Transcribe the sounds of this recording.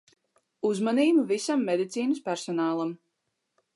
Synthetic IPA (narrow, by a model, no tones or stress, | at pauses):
uzmaniːbuvisamːed̪it̪siːnɨspæɾsɔnaːlˠam